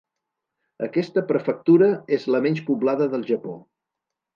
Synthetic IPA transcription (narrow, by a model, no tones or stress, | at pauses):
ə̰kɛst̪əpɾəfək̚t̪uɾəezləmɛnʲt͡ʃpuβlaðəðəlˠʒəpo